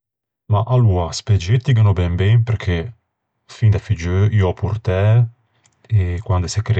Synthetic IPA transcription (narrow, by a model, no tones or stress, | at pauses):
maʔalːuːɾasped͡ʒet̪ːik̬anobɛmbɛnpeɾkʰːe | find̪afid͡ʒøiːoɔpʰːurt̪ɛ | ekwand̪osɛkːɾ